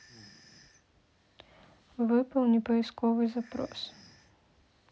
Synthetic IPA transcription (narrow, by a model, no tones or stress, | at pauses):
vɨpɐwnʲɛpɐjiskɔvɨzapɾɔ̰s